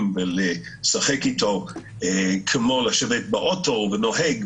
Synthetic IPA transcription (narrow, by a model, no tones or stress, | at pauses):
mvele | saχekitʰo | ekʰemolaʃevet̪̚baʔotovenoɦɛɡ